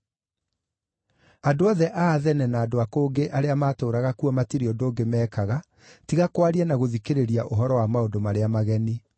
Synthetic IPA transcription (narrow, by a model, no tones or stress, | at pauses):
adoɔðɛʔaðɛnɛnaːdoakoːɡeʔaɾeamaːtoːɾaɣakuɔmatiɾiɔndoːŋɡemɛːkaɣa | tiɣakwaɾiɛnaɣoðikeɾeɾiaʔoɦɔɾɔwamaondomaɾeamaɣɛni